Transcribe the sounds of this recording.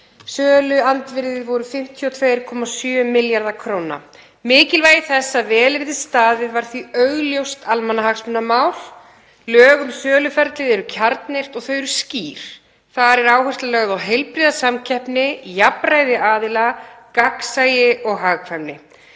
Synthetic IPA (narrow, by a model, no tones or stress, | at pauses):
sœːlʏant̪vɪɾðɪðvɔɾʏfɪm̥t̪ʰiɔt̪ʰveːjɾkʰɔmasjœːmɪljaɾðakʰɾowna̰ | mɪːcɪlvaːjɪθɛsːaðvɛːlɪɾðɪst̪aːðɪðvaɾ̥θiœɣljowst̪almanːaɦaksmʏnːamaːwl̥ | lœːɣʏmsœːlʏfɛɾt̪lɪðɛɾʏcʰaɾt̪nejr̥t̪ɔɣθœːɥɾʏsciːɾ̥ | θaɾɛɾaːwhœst̪alɛɣaðawɦejlpɾiðasamcʰɛhpnɪjapɾajðɪʔaːðɪlakaksaːjɪʔɔɣɦaɣkʰvɛmnɪ